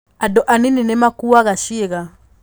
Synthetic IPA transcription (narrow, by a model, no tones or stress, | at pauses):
adoʔanininemakuaɣaʃieɣa